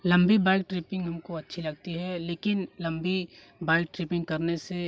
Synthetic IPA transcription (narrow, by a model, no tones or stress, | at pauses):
lɐ̃mbibaːɪk̚ʈɾɪpɪ̃ŋɡɦɐmkoɐtːʃʰilɐɡt̪iɦɛleːkɪnlɐ̃mbi | baːɪk̚ʈɾɪpɪ̃ŋɡkɐɾnese